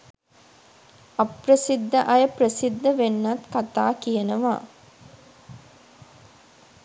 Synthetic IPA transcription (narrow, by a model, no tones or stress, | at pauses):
ɐprəsid̪ːəʔɐjəprəsid̪ːəʋenːɐt̪kat̪aːkijənəʋa̰ː